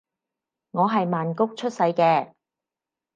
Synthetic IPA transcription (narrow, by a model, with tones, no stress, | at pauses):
ŋɔː˨˧ɦɐ˨jmaː˨nkʊ˥k̚t͡ʃʰɵ˥t̚sɐ˨˧jkɛː˧